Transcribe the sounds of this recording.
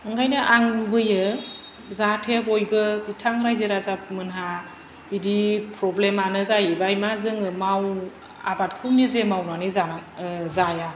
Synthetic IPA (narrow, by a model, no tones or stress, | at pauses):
ɯŋɡajnɯʔaŋnubɯjɯ | zatʰebojbɯbitʰaŋɾajzɯɾazap̚mɯnɦa | b̥idipʰɾɔblemanɯzajbajmazɯŋɯmaw | a̰bat̚kʰɯwnizemawnanizaazaja